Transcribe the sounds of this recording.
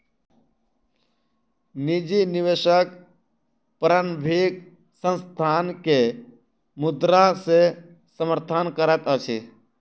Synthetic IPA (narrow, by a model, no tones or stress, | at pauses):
nid͡ʒinɪʋeʃək | pɾənbʱik | sə̃nst̪ʰaːnke | mʊd̪ɾase | səməɾt̪ʰənkəɾət̪ət͡ʃʰḭ